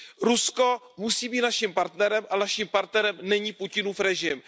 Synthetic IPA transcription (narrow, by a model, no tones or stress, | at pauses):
ɾusko | musiːbiːt̪naʃimpaɾt̪nɛɾɛmʔanaʃimpaɾt̪nɛɾɛmnɛɲiːpucɪnuːfɾɛʒɪm